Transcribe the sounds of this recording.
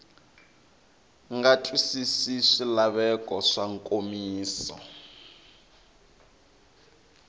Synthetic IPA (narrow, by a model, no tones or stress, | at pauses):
ŋɡatʼwisisiʂilaβɛkʼɔʂaŋkʼomiːsɔ̰